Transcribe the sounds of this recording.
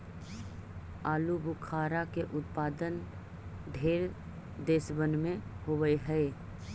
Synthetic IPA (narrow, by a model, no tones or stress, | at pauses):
aːlubʊkʰaːɾakeʔʊt̪paːd̪ən | d̪ʱeːɾ | d̪eːsbənmẽhoːʋəeɦɛe